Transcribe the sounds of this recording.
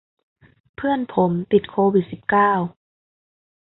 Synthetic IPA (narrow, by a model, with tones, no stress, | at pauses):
pʰɯ˥˩ənpʰo˩˦mt̪i˨˩t̪̚kʰoː˧wi˨˩t̪̚si˨˩p̚kaː˥˩w